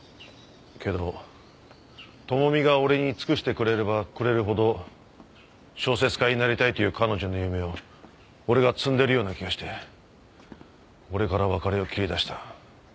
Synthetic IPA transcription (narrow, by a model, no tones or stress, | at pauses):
kʰe̞d̪o̞ | t̪o̞mo̞mʲiɡao̞ɾe̞ɲ̟it͡sɨ̥kɯ̟ɕi̥t̪e̞kɯ̟ɾe̞ɾbakɯ̟ɾe̞ɾɯ̟ɦo̞d̪o̞ | ɕo̞ːse̞t͡sɨ̥kaiɲinaɾʲit̪ait̪o̞jɯ̟ːkano̞ʑo̞no̞jɯ̟me̞o̞ː | ɾe̞ɡat͡sɨ̃nd̪e̞ɾɯ̟jo̞ːnakʲiɡaɕi̥t̪e̞ | o̞ɾe̞kaɾaβakaɾeo̞kʲiɾʲid̪aɕi̥t̪ḁ